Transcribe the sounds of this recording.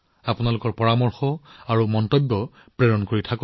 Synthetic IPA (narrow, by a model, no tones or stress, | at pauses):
apʊnalʊkɔɹpɔɹamɔɹxɔaɹumɔntɔbːjɔ | pɹeɹɔnkoɹitʰakɔ